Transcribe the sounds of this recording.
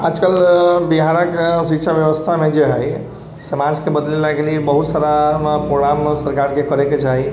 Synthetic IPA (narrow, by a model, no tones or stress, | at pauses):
ad͡ʒkəlbiɦaɾəksitːʃʰabjəʋəst̪ʰamed͡ʒeɦəj | səmad͡ʒkebəd̪lilakeliebəɦut̪saɾapɾoɡɾamsəɾkaɾkekəɾeket͡ʃaɦi